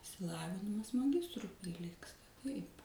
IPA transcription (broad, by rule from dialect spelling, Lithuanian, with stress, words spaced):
ɪʃʲsʲɪˈlˠɑːʋʲɪnʲɪmɐs mɐˈɡʲɪstrʊɪ pʲrʲɪˈlʲiːkstɐ tɐɪp